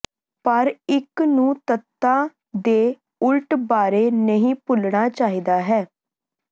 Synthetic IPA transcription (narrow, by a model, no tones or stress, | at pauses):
pəɾɪknũːt̪ət̪ːãː | d̪eː | ʊlʈbaːɾeːnəɦĩːpʊlɳaːt͡ʃaːɦiːd̪aːɦɛː